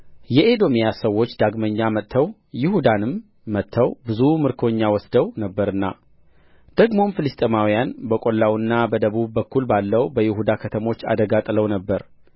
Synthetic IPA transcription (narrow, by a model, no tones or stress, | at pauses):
jɛʔed̪o̞mijasəwːo̞t͡ʃːd̪aɡməɲːamət̪ʰːəw | jɪhud̪anɨmː | ət̪ʰːəwbɨzumɨɾkʰo̞ɲːawɔsd̪əwnəbːəɾɨnːa̰ | d̪̥əɡmo̞mfɨlɨst̪ʼemawijanbəkʼo̞lːawɨnːabəd̪əβubːəkːulbalːəwbəjɪhud̪akʰət̪ʰəmo̞t͡ʃːa̰d̪əɡat̪ʼləwnəbːəɾ